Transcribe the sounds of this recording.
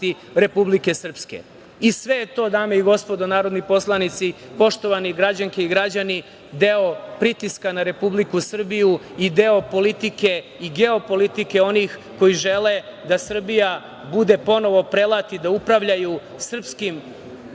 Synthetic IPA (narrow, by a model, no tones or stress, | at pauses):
st̪i | ɾe̞publike̞sr̩pskḛ | isʋe̞t̪o̞ːd̪aːmeiɡo̞spo̞d̪onaːɾo̞d̪nipo̞slˠanit̪sipo̞ʃt̪o̞ʋaniɡɾad͡ʑaŋke̞iɡɾad͡ʑani | d̪e̞o̞pɾit̪iskanaɾe̞publikusr̩biju | id̪eo̞po̞lit̪ike̞ | iɡe̞o̞po̞lit̪ike̞o̞nixko̞jiʒe̞le̞d̪asr̩bija | bud̪e̞po̞no̞ʋo̞pɾelˠat̪id̪aupɾaʋʎaju | sr̩pskim